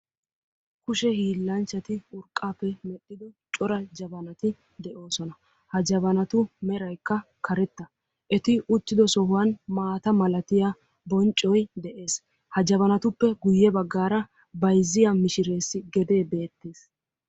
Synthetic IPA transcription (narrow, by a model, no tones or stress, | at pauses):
kʊʃɛhiːlːɐnt͡ʃːɐt̪ɪʊɾkʼːaːpːɛmɛɗːɪd̪ɔt͡ʃʼɔɾɐd͡ʒɐbɐnɐt̪ɪ | d̪ɛʔo̞ːsɔnɐ | hɐd͡ʒɐβɐnɐt̪ʊmɛɾɐjkːɐ | kʰɐɾɛt̪ːɐ | ʔɛt̪ɪʊt̪ːɪd̪ɔsɔɦʊwɐnmaːt̪ɐmɐlɐt̪ɪja | bɔnt͡ʃʼːɔjd̪ɛʔe̞ːs | hɐd͡ʒɐβɐnɐt̪ʊpːɛɡʊjːɛbɐɡːaːɾɐ | bɐjzːɪjamɪʃɪɾe̞ːsːɪɡɛd̪e̞ːbe̞ːt̪ːeːs